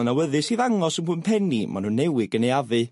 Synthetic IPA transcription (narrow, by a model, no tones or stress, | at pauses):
nawəðɨsiːðaŋɔsənkʰəmpʰɛnima̰nunːɛwɪɡənejavɨ